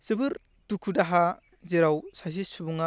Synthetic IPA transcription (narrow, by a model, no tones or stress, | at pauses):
sɯbɯɾ | tukʰudaɦa | zeɾawsas̬isubuŋa